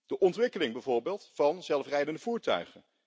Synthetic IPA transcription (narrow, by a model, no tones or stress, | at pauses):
d̥əʔɔntʋɪkəlɪŋbɛjvoːɹbeːlˠtfɑnzɛlˠfrɛjdəndəvuːɹtœ̰ɥχən